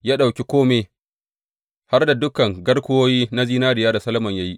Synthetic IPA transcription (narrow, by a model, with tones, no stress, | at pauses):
ja˦ɗa˨wkʲi˦kʷoː˦me˨ | ha˦rda˨dʊ˦kɐ˨ŋɡɐ˦rkʷʊ˦woː˦jiː˦na˦ziː˦naː˦dɪ˨jaː˦da˨sɐ˦lɐ˦mɐ˨ɲja˦ji˦ʔ